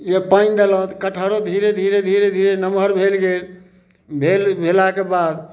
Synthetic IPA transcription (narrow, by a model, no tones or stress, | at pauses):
jepand̪elə̃t̪kəʈʰəɾod̪ʱiɾed̪ʱiɾed̪ʱiɾed̪ʱiɾenəmʱəɾbʱelɡel | bʱelbʱelakebad̪